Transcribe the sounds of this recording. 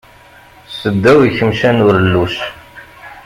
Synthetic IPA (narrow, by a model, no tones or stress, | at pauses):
səd̪ːæwiçəmʃænʊɾəlːuʃ